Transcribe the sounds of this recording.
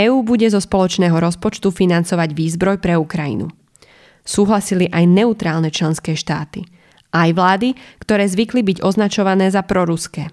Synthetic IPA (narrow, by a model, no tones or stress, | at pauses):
ɛːuːbuɟɛzɔspɔlɔt͡ʃnɛːɦɔɾɔspɔt͡ʃt̪ufinant͡sɔʋaɟʋiːzbɾɔjpɾɛukɾajḭnṵ | suːɦlasiliʔajnɛut̪ɾaːlnɛt͡ʃlɛnskɛːʃt̪aːt̪i | ʔajʋlaːd̪ikt̪ɔɾɛːzʋiklibiɟɔznat͡ʃɔʋanɛːzapɾɔɾuskɛː